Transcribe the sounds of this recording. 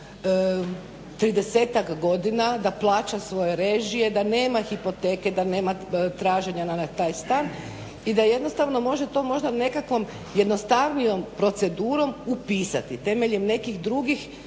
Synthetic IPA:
t̪ɾid̪e̞se̞ːt̪akɡo̞d̪inad̪aplˠaːt͡ʃasʋo̞je̞ɾe̞ʒije̞d̪ane̞ːmaxipo̞t̪e̞ːke̞d̪ane̞ːmat̪ɾaːʒe̞ɲanaat̪aːjst̪aːn | id̪aje̞d̪no̞st̪aʋno̞mo̞ʒe̞t̪o̞ːmo̞ʒd̪ane̞kakʋo̞m | je̞d̪no̞st̪aʋnijo̞mpɾo̞t̪se̞d̪uːɾo̞mupiːsa̰t̪it̪e̞me̞ʎemne̞kixd̪ɾuɡix

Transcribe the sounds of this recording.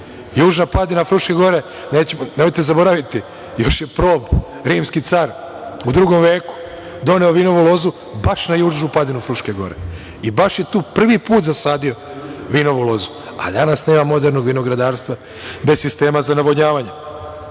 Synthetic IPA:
juːʒnapad̪inafɾuʃkeɡo̞ɾe | neːt͡ɕemnemojt̪ezabo̞ɾaʋit̪i | jo̞ʃjepɾo̞ːb | ɾiːmskit̪saːɾ | ud̪ɾuɡo̞mʋe̞ːku̥ | d̪o̞neoʋino̞ʋulo̞zu | baʃnajuːʒnupad̪inufɾuʃkeɡo̞̰ɾḛ | ibaʃje̞t̪uːpr̩ʋipuːt̪zasaːd̪io̞ | ʋiːno̞ʋulˠo̞zu̥ | a̰d̪anasne̞ːmamo̞d̪eɾno̞ɡʋino̞ɡɾad̪aːɾst̪ʋa | be̞ssist̪e̞ːmazanaʋoɲaːʋaɲe

